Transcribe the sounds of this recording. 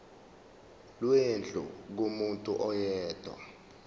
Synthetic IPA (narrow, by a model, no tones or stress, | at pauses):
lwend͡ɮʱṵk̬omuntʼuʔɔjɛːd̥ʱwa̰